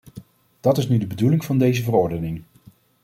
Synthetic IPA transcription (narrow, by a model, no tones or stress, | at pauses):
d̥ɑtɪsnydəbədulɪŋvɑndejzəvərʊɹdənɪŋ